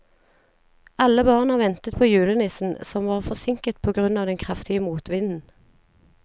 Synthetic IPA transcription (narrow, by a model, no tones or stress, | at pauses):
ɑləbɑːʁnɑʋɛnt̪ət̪̚pʰoːjʉːlənɪsn̩sɔmʋɑːʁfɔsɪŋkət̪̚pʰoːɡʁʉnɑːʋd̪ɛnkʰʁɑft̪ɪəmuːt̪ʋɪnn̩